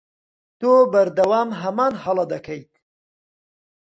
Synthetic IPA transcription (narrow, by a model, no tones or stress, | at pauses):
t̪oːbɐɾd̪ɐwaːmɦɐmaːnhɐlˠɐd̪ɐkʰɐjt̪̚